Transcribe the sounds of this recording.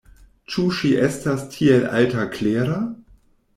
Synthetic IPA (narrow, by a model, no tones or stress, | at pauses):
t͡ʃuʃiʔestastʰielʔa̰ltakleːɾa